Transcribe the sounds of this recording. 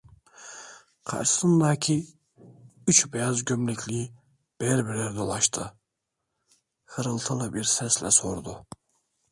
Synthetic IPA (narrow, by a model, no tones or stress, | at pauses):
qʰɑ̰ɾʃɯ̥sɯnd̪acʰi | yt͡ʃbɛjazɟømlʲicʰlii | b̥ɛɾbiɾlæɾd̪o̞lˠɑʃt̪ʰɯ | hɯɾɯlˠt̪ʰɯlˠɯbiɾsɛslʲɛ̰soɾd̪u